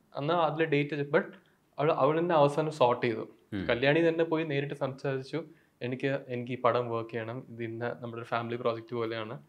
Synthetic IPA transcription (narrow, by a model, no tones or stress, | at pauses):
ɐ̰nːaːɐðilɐɖe̞ːtːɐbɐʈ | ɐʋiɭʔɐʋiɭinːeɐʋɐsaːnɐmsoːrʈːijɐðɨ̰ | kɐljaːɳit̪ɐnːe̞po̞ːjine̞ːɾiʈːɨsɐmsaːɾit͡ɕːu | e̞nikʲːɨe̞nikʲːɨiːpɐɽɐmʋəːkːiʋeɳɐmiðinːenɐmːɐɭoɾufaːmiliproːd͡ʑek̚ʈɨpo̞ːle̞jaːɳɨ